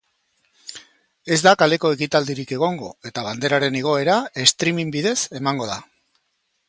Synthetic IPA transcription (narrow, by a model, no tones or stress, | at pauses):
e̞zd̪akale̞ko̞e̞kit̪ald̪iɾike̞ɣ̞o̞ŋɡo̞̰e̞t̪aβ̞and̪e̞ɾaɾe̞neɣ̞o̞e̞ɾae̞st̪ɾimimbiðe̞se̞maŋɡo̞ða